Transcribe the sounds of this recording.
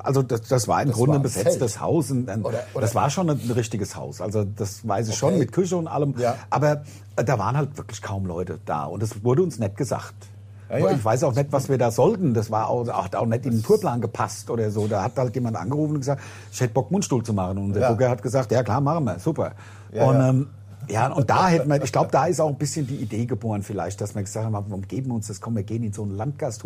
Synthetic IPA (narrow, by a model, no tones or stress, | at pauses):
ʔa̰lzodasd̥asv̥a̰ːɐɪmɡʁʊndəbəzɛt͡stəsha̰ʊsʊnɛːmd̥asv̥aːɐʃoːnənʁɪçtɪɡəsha̰ʊsʔalzod̥asvaɪs̬ɪʃoːnmɪt̚kʰʏʃəʊntʔa̰ləmʔaːbɐ | əd̥aːvaːʁənhaltv̥ɪɐklɪçkʰaʊmlɔ̰ʏtə̰d̥a̰ːʔʊ̰ntd̥asvʊɐdəʊnsnɛt̚ɡ̥əza̰χt | ɪçv̥aɪsaʊxnɛtvasv̥iːɐdaːzɔltn̩d̥asv̥aːɐa̰ʊxhata̰ʊxnɛtɪndentʰuːɐplaːnɡəpʰastʔoːdɐzoːdaːhathaltjeːmantʔa̰nɡəʁuːfn̩ʊnɡ̥əzaːk̚t | ʔɪçhɛtəb̥ɔk̚mʊnʃtuːlt͡sumaχənʊnʔʊnzɐɡʊkɐhat̚ɡ̥əzaːktjaːkl̥aːɐmaχən̩miːɐz̥uːpɐ | ʔʊnɛːm | jaːʔʊntd̥aːhɛtənmɐɐɪʃɡ̥laʊbəd̥aːɪstaʊxn̩b̥ɪsçəndiːʔideːɡəboːʁənfɪla̰ɪçt̚d̥asmiːɐɡəzaːktʰamavaʊmɡ̥eːbm̩ʊnsd̥askʰɔmnviːɐɡeːənɪnzoːnlant̚ɡ̥astʰː